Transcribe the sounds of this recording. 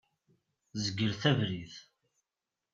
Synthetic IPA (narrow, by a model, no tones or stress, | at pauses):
zəɡːəɾθævɾiθ